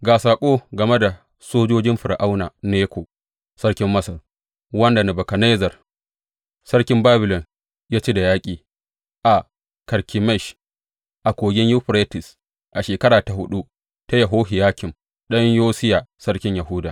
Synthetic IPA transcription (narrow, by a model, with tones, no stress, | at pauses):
ɡaː˨saː˨kʷʼoː˦ɡɐ˨me˦da˨ | soː˦d͡ʒoː˦d͡ʒɪ˦mɸɪ˨ɾʔa˦wnaː˨neː˦kʷoː˨ | sɐ˦ɽkʲɪ˦mːɐ˦sɐ˨l | wɐ˦nda˨na˨bɐ˨kɐ˨na˦zɐ˨r | sɐ˦ɽkʲɪ˦mbaː˦bɪ˨lɔ˨n | jaː˦t͡ʃi˦da˨jaː˦kʲʼiː˨ | ʔa˨ | kɐ˨ɾkʲʰɪ˨mɛ˦˨ʃ | ʔa˨kʷoː˨ɡʲɪ˦ɲju˦ɸɾe˦tɪ˨s | ʔa˨ʃeː˨kɐ˦ɾaː˨ta˨ɦʊ˦ɗu˦ | ta˦jɐ˨ɦoː˦ɦɪ˨jaː˦kʲɪ˨m | ɗɐ˦ɲjoː˦sɪ˦jaː˨sɐ˦ɽkʲɪ˦ɲja˨ɦʊ˦daː˨